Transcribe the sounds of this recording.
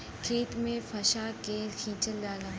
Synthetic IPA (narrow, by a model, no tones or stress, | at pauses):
kʰeːt̪mẽfʰɐʃaːkeːlkʰĩːt͡ʃəlːaːlaː